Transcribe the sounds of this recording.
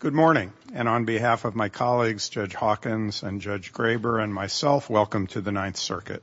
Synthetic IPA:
ɡ̥ʊd̚mɔɹnɪ̃ŋɨ̃ñə̃nbiɦæfʌvmaɪkʰɑlˠiɡzd͡ʒʌd͡ʒ̥hɑkɨ̃nzɨ̃nd͡ʒʌd͡ʒɡɹeɪbə˞ɨ̃nmaɪsɛlˠfwɛlˠkɨ̃mtʰɨðɨnãɪ̃nθsɜ̰˞kɨ̰t̚

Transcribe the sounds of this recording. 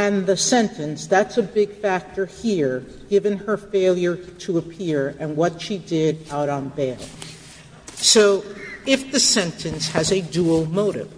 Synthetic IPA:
ɨ̃nðɨsɛ̃ntʰɨ̃nsðætsɨbɪɡ̥fæk̚tə˞hiɹ | ɡ̥ɪvɨ̃nə˞feɪlˠjə˞ɾɨəpʰɪɹɨ̃nwʌtʃidɪɾaʊɾn̩beɪlˠ | soʊɪfðɨsɛ̃ntʰɨ̃nshɨzɨdul̩ˠmoʊɾɪ̰v̥

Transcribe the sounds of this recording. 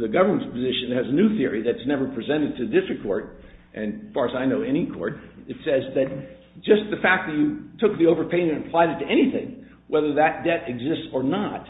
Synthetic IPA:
ðɨɡʌvə˞mə̃nspʰɨzɪʃɨ̃nɨzɨnʉθɪɹiðɨɾɨsnɛvə˞pʰɹ̥izɛ̃ɾ̃ɨd̚tʰɨdɪstɹ̥ɨkʰɔ̰ɹɾʔɨ̃nfɑɹɨzaɪnoʊɛñikʰɔ̰ɹɾɨtsɛzðɨt̚ | d̥ʒ̥ʌst̪̚ðɨfæk̚ðɨt͡ʃɨtʰʊk̚ðioʊvə˞pʰẽɪ̃mɨ̃nɨpʰl̥aɪɾɨtʰɨʔɛñiθɪ̰̃ŋ | wɛðə˞ðɨt̚d̥ɛɾɨɡzɪstsə˞nət̚

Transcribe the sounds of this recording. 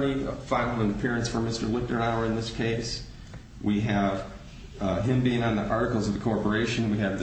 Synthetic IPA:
nifãɪvʊmə̃nəpʰɪɹɨ̃ntsfə˞mɪstə˞lɪk̚tə˞aʊə˞ɨ̃nðɪskʰeɪs | wiɨv̥ | ɪ̃mbiɪ̃ŋə̃nðiʔɑɹɾɨkl̩ˠzʌvðɨkʰɔɹpə˞eɪʃɨ̃nwiɨvð

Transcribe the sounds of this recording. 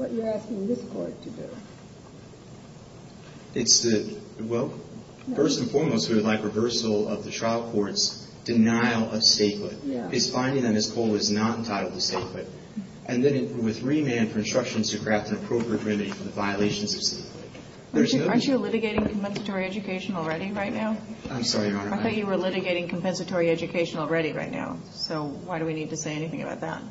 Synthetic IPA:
wʌt͡ʃə˞æskɪ̃ŋðɪskʰɔɹd̚tʰɨdʉ̰ | ɨtsðɨwɛlˠ | fɜ˞stn̩fɔɹmoʊst̚wiwɨdˡlaɪkɹɨvɜ˞sl̩ˠʌ̰vðɨtʰɹ̥aɪlˠkʰɔɹts | d̥ɨnaɪl̩ˠʌv̥steɪt̚wʊɾɨz̥fãɪ̃ndɪ̃ŋðɨt̚mɪskʰoʊlˠɨznə̃n̩tʰaɪɾʌðɨsteɪt̚wʊɾ | ʔɨ̃nðɨ̃ɾɨwɨðɹimæ̃nfə˞ɨ̃nstɹ̥ʌkʃɨ̃nz̥tʰɨkʰɹ̥æftɨ̃nɨpʰɹ̥oʊpɹiɨt̚ɹɪ̃mɨɾifə˞ðɨvaɪəleɪʃɨ̃n̩zʌv̥steɪtwʊ̰t̚ | ðəat͡ʃilɪɾɨɡeɪɾɪ̃ŋkʰm̩pɛ̃nsɨtʰɔɹiɛd͡ʒɨkʰeɪʃn̩l̩ˠɹɛɾiɹaɪtⁿnaʊãɪ̃msɑɹiɑnəaɪθɔ̃kjɨwə˞lɪɾɨɡeɪɾɪ̃ŋkʰm̩pɛ̃nsɨtʰɔɹiɛd͡ʒɨkʰeɪʃɨ̃n̩ɔl̩ˠɹɛɾiɹa̰ɪtⁿna̰ʊ | soʊwaɪɾɨwinid̚tɨseɪɛñiθɪ̃ŋɨba̰ʊt̪̚ðæ̰t̚

